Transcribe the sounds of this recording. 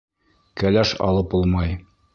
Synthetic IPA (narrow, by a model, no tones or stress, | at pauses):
kælæʃɑ̰lˠɤpulˠmɑj